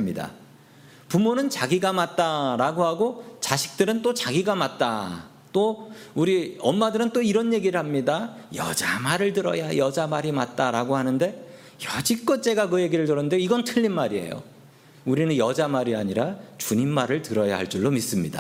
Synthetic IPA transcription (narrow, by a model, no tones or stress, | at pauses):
mɲida̰ | pumonɯnt͡ɕaɡiɡamat̚t͈aɾaɡohaɡot͡ɕaɕʰi̥k̚t͈ɯɾɯnt͈ot͡ɕaɡiɡamat̚t͈a | t͈ouɾiʌmmadɯɾɯnt͈oiɾʌnje̞ɡiɾɯɭhamɲidajʌ̰d͡ʑamaɾɯɭtɯɾʌ̰jajʌd͡ʑamaɾimat̚t͈aɾaɡohanɯnde̞ | jʌd͡ʑik͈ʌt͡ɕ͈e̞ɡakɯje̞ɡiɾɯɭtɯɾʌndeiɡʌntʰɯʎːinmaɾie̞̰jo̰ | uɾinɯnjʌd͡ʑamaɾiaɲiɾat͡ɕuɲimːaɾɯɭtɯɾʌja̰haɭt͡ɕ͈uɭːomis͈ɯmɲida